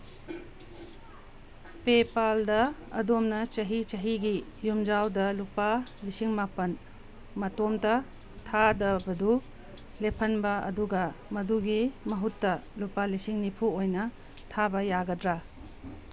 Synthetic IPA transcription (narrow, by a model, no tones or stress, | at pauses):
pepaldɐɐ̰domnɐt͡ʃɐɦit͡ʃɐɦiɡi | jumd͡ʒawdɐlupalisiŋmapɐn | mɐtomtɐ | tʰadɐbɐdu | lepʰɐnbɐɐ̰duɡɐmɐduɡimɐɦutːɐlupalisiŋnipʰuojnɐ | tʰabɐjaɡɐdɾa